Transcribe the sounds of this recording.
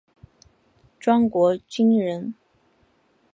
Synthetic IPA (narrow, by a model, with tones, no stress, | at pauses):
ʈ͡ʂwɑ˥ŋkwɔ˧˥t͡ɕi˥ŋɻə˧˥n